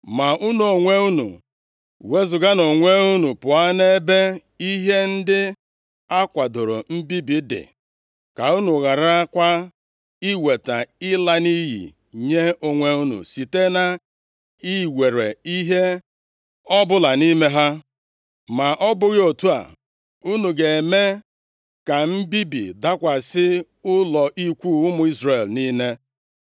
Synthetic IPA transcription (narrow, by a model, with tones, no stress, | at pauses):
ma˨ʔu˦nu˨o˨ŋʷe˦u˦nṵ˨ | we˦zʊ˨ɡa˦no˨ŋʷe˦u˦nu˨pʊ˨a˦ne˦be˦ | i˦ɦe˦n̩˦dɪ˦ | a˦kʷa˨dʊ˨ɾo˨m̩˦bi˦bi˨dɪ̰˨ | ka˨u˦nu˨ɣa˨ɾa˦kʷa˦ | i˦we˨ta˨ɪ˦la˦ni˦jḭ˨ | ɲe˦o˨ŋʷe˦u˦nṵ˨si˨te˦na˨ | i˦we˨ɾe˨i˦ɦe˦ | ɔ˦bʊ˦la˨ni˦me˦ɦa˦ | ma˨ʔɔ˦bʊ˦ɣɪ˦o˨tu˦a̰˨ | u˦nu˨ɡe˨e˨me˦ | ka˨m̩˦bi˦bḭ˨da˦kʷa˨sɪ˦ | ʊ˦lɔ˨ʔi˦kʷu˦˨ʊ˦mʊ˦i˦zre˨lni˦ne˦